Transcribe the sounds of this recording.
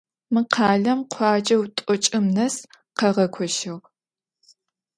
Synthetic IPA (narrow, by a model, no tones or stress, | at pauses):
mɨqʰɑːɮɐmqʷʰɑːd͡ʒɐwtʷʼɔt͡ʃʼɪmnɐs | qɐʁɐkʷʰɔʃɪʁ